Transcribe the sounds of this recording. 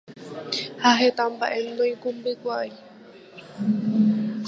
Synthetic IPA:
haɦet̪ambaʔe̞md̪õjĩkũmbɨkʷaj

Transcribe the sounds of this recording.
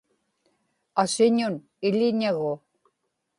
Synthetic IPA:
asɪɲʊn | ɪʎɪɲaɣʊ

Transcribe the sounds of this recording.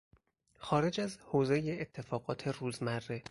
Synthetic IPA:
xɒːɾe̞d͡ʒæzhoːzejeet̪ʰːe̞fɒːɣɒːt̪ʰe̞ruːzmærːe

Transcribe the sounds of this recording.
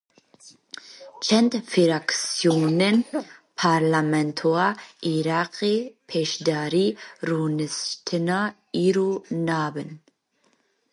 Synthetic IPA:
t͡ʃʰɛnd̪fiɾaksjonɛnpʰaɾlamɛnt̪ʰoaiɾaːqʼipʰeʃd̪aːɾiɾuːnɨst̪ʰɨna | iɾunaːbɨn

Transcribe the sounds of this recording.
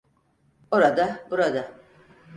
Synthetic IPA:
oɾad̪abuɾad̪a

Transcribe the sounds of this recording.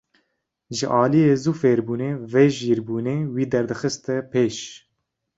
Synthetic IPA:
ʒəʔɑːlijeːzuːfeːɾbuːneːveːʒiːɾbuːneːwiːd̪ɛɾd̪ɨxɨst̪ɛpʰeːʃ

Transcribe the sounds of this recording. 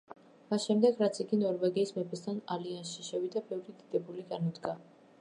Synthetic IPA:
masʃɛmd̪ɛɡɾat̪sʰiɡinɔɾvɛɡiːsmɛpʰɛst̪ʰanaliansʃiʃɛvid̪abɛvɾid̪id̪̥ɛbuliɡanɔd̪ɡa

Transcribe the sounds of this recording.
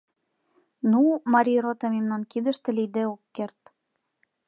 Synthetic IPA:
numɑɾʲirot̪omemnɑnkid̪ə̆ʃt̪ĕlid̪eokːert̪

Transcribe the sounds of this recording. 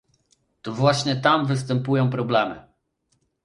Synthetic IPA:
t̪ɔvwaɕɲɛt̪amvɘs̬t̪ɛmpujɔ̃w̃pɾɔblɛmɘ

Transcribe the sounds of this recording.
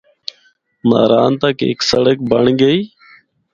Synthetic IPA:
ma̰ːɾaːnt̪aːkɪ̰ːksəɽək̚bəɳɡəiː

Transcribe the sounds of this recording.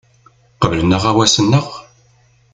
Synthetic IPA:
qəvlənːəʁæwæsənːəʁ

